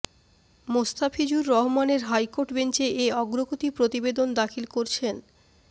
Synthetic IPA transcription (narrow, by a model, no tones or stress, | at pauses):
most̪afʰid͡ʑuɾːɔɦomaneɾɦajkoɾʈbent͡ɕeʔeɔɡɾoɡot̪ipɾot̪ibed̪ond̪akʰilkoɾt͡ɕʰen